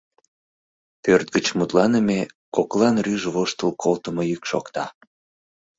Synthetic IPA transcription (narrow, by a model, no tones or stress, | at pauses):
pørt̪̚ɡət͡ɕmut̪lɑnəmekoklɑnryʒβoʃt̪əlkʰolt̪əmojykʃo̰kt̪ɑ